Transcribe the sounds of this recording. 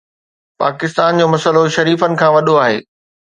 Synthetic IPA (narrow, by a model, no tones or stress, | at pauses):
pa̰ːkɪst̪aːnd͡ʑoːmɐsəloʃɐɾiːfənɪ̆kʰãːʋɐɗoaːɦeː